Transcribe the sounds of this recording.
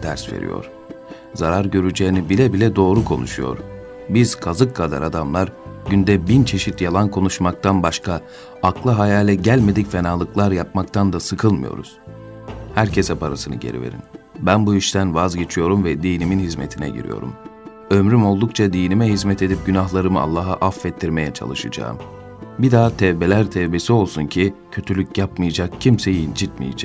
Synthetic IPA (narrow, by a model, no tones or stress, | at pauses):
d̪̥ʰæ̰ɾsvḛɾḭjo̞̰ɾ̥ | zaɾaɾɟø̞ɾyd͡ʒeːinibilʲɛbilʲɛd̪o̞ːɾukʰo̞̰nṵʃujo̞̰ɾ | biz̥kʰazɯkʰːad̪a̰ɾad̪amlˠaɾɟynd̪ɛbint͡ʃʰe̞ʃit̪jalˠankʰo̞nuʃmak̚t̪ʰanbaʃkʰaː | klˠɯɦajaːlʲɛɟælʲme̞d̪icfe̞naːlˠɯklˠaɾjap̚makt̪ʰand̪asɯkʰɯlˠmɯ̰jo̞̰ɾṵz̥ | hæɾcʰe̞sɛpʰaɾasɯnɯ̰ɟe̞̰ɾḭve̞̰ɾḭm | bænbuiʃt̪ʰænvazɟe̞t͡ʃʰijo̞ɾumvɛd̪iːniminhizme̞̰t̪ʰinɛ̰ɟḭɾḭjo̞̰ɾṵm | ømɾymo̞lˠd̪ukt͡ʃʰad̪ijnimɛɦizmɛt̪e̞d̪ip̚ɟynaɦlˠaɾɯmɯa̰lˠːaːɦaʔafːɛt̪ʰːiɾme̞jɛt͡ʃʰa̰lˠɯʃɯ̰d͡ʒa̰ːɯ̰m | bid̪aːt̪ʰɛvbe̞lʲæɾt̪ʰɛvbe̞sio̞lˠsuncʰicʰø̞t̪ʰylʲycjapmɯjad͡ʒakcʰimsejind͡ʒit̪mḭjḭd͡ʒɛ